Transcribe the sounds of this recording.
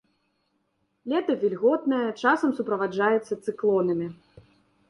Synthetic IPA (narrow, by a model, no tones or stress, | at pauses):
lʲɛt̪ɐvʲilʲɣɔt̪nɐjɐt͡ʂasɐmsupɾɐvad͡ʐajɛt̪sːɐt̪sɨklˠɔnɨmʲi